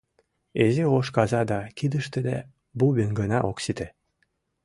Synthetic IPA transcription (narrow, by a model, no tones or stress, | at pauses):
ezioʃkɑzɑd̪ɑkid̪ə̆ʃt̪ĕd̪ḛ | buβenɡə̆nɑʔoksit̪e